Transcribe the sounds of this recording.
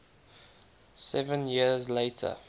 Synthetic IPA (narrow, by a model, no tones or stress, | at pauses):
sɛvə̃njiəzleɪtʰə̰